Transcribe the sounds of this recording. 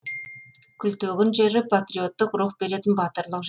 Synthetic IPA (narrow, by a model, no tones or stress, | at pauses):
kʲʰʏlt̪ɵɡʲɪnʒe̞ɾɪpʰat̪rijo̞t̪ːəqɾuχbe̞ɾe̞t̪ɪnbɑt̪əɾlˠəqʒ